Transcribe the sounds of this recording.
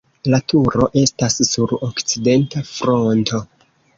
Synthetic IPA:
latʰuɾo̞ʔe̞stasːuɾokt͡side̞ntafɾo̞nto̞

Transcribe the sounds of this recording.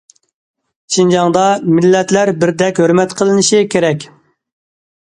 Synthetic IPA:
ʃind͡ʒɑŋd̪ɑmɪlːɛt̪læɾbɪɾd̪ɛkʲhøɾmɛt̪qʰəlˠɨnɪʃikʲʰeɾɛkʲ

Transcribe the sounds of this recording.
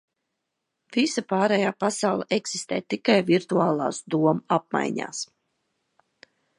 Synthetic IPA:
visapaːɾɛjaːpasawlˠəʔeksist̪ḛːt̪ikajviɾt̪uaːlˠa̰ːsd̪uɔmaap̚ma̰jɲa̰ːs

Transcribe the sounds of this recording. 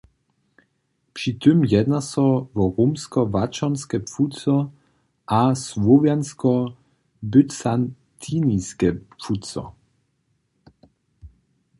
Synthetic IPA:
pʂit̪ʏmjɛd̪nasɔvɔʁumskɔvat͡ʃɔnskɛpfutt͡sɔ | ʔasvɔvjanskɔ | bʏtsan | t̪ʰiniskɛpfut͡sɔ̰

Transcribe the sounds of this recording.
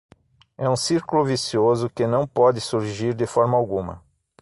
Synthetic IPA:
ɛũsiɾkulʊvisiozʊkɪnɐ̃w̃pɔd̪ɪsuɾʒiɾd̪ɪfɔɾmɐawɡũmɐ̰

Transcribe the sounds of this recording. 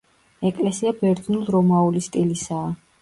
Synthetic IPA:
ɛkʼlɛsiabɛɾd̪nulˠɾɔmaulist̪ʼilisaː

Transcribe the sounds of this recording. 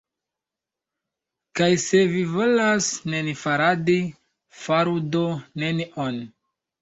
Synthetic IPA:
kajse̞vivo̞lasne̞nifaɾadi | faɾudone̞nion

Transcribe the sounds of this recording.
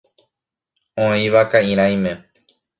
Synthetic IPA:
õĩʋakaĩɾ̃ãĩmẽ

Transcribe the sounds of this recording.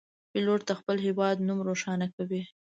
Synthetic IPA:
pɪloɾt̪axpəlɦɪwɑd̪numɾoʃɑnakawi

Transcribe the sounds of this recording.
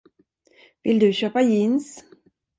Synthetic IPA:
vɪld̪ɵɕøːpajins

